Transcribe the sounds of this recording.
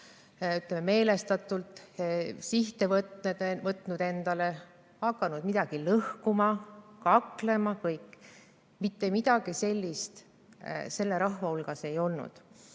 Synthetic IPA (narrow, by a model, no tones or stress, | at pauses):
yt̪ˑlemːeme̞ːle̞st̪ɑt̪ːˑult̪siht̪e̞vt̪ned̪mɤt̪ːˑnud̪̥e̞nd̪̥ɑle̞ | hɑkːˑɑnud̪̥mid̪ɑɡ̥ilɤhkumɑkɑkle̞mɑkɤjkːˑ | mit̪ːe̞mid̪̥ɑɡ̥ise̞lʲːist̪ | se̞lːe̞ɾɑhvɑulɡ̥ɑse̞jo̞lnṵd̪̥